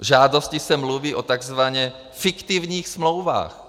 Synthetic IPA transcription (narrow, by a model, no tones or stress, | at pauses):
ʒaːdoscɪsɛmluviːʔot̪aɡzvaɲɛ | fɪkt̪ɪvɲiːxsmlowva̰ːx